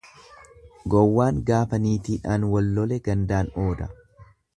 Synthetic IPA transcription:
ɡɔwːaːŋɡaːfɐniːt̪iᶑaːnwɔlːɔlɛɡɐnd̪aːno̞ːd̪ɐ̰

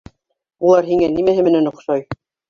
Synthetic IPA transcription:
ulˠɑɾɦiŋænimæɦɘ̆mɘ̆nænŏqʃɑj

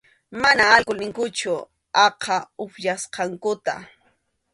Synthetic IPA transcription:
manaːlkʊlnɪŋkʊt͡ʃʊ | ɑqʰɑʊpjasqɑŋkʊt̪a̰

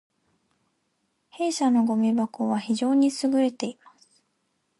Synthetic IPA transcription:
he̞ːɕano̞ɡo̞mʲibakoβaçiʑo̞ːɲ̟isɨɡɯ̟ɾe̞t̪e̞imasɨ̥

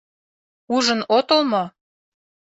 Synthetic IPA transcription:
uʒə̆not̪olmo

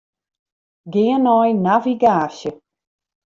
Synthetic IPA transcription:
ɡɪənɔjnaviɡaːsjə

